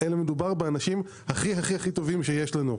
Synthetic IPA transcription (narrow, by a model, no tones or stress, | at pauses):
elemed̪ubaʁbeanaʃim | haχiɦaχihaχit̪o̞vimʃe̞jeʃlanu